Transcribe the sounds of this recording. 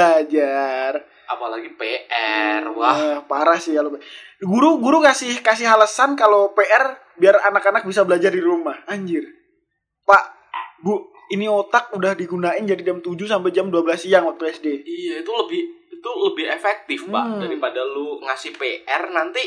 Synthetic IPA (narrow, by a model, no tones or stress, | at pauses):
ad͡ʒar | apalaɡipeʔɛrwahpaɾahsialopeɡuɾuɡuɾukasɪhkas̬ɪhɦaləsankalopeʔɛr | biaranakanak̚bisabəlad͡ʒardiɾumahaɲd͡ʒɪr | paʔ | bu | iniot̪ak̚udahdiɡunaɪnd͡ʒadid͡ʒamt̪ud͡ʒus̬ampajd͡ʒamduabəlasijaŋwak̚t̪uɛsdeijait̪uləbɪhit̪uləbɪhefɛk̚t̪ɪfpa̰ʔdaɾipadaluŋasɪhpeʔɛrnant̪i